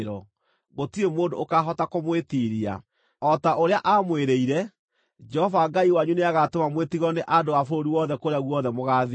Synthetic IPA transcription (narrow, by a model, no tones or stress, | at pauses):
ɾɔ | ɣotiemoːdo̰ːkaɦɔtakomwetiɾia̰ | ɔtaoɾeaʔamweɾeiɾɛ | d͡ʒɛhɔvaɡaiwaɲuneaɣatomamwetiɣɔneʔadoafoɾoɾiwɔðɛkoɾeaɣwɔðɛmoɣaːð